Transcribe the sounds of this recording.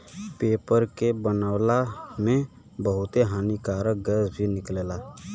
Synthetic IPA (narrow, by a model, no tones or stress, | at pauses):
peːpəɾkebənaːwlamẽ | bəɦʊt̪eɦaːnikaːɾək̚ɡɛːsbʱinɪkleːlaː